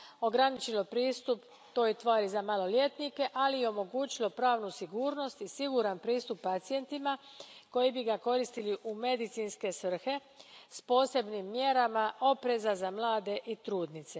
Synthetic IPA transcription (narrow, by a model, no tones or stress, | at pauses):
o̞ɡɾanit͡ɕilo̞pɾiːst̪up | t̪o̞ːjit̪ʋaːɾizamalo̞lje̞t̪nike̞ʔalijeo̞mo̞ɡuːt͡ɕilo̞pɾaːʋnusiɡuːɾno̞st̪isiɡuɾanpɾiːst̪upːat̪sije̞nt̪ima | ko̞jibiɡako̞ɾist̪iliʔume̞d̪it̪sinske̞sʋr̩xe̞ | spo̞ːse̞bnimːje̞ɾamao̞pɾe̞zazamlˠaːd̪e̞ʔit̪ɾuːd̪nit̪se̞